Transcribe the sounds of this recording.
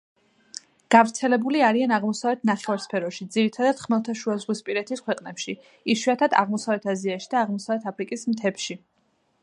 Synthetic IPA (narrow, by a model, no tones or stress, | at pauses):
ɡ̥avɾt̪sʰɛlɛbuliaɾianaʁmɔsavɛt̪ʰnaχɛvaɾspʰɛɾɔʃid̪ziɾit̪ʰad̪ad̪̥χmɛlˠt̪ʰaʃuazʁwispʼiɾɛt̪ʰiskʰwɛqʼnɛpʃi | iʃwiat̪ʰad̪a̰ʁmɔsavɛt̪ʰaziaʃid̪aːʁmɔsavɛt̪ʰapʰɾikʼismt̪ʰɛpʃi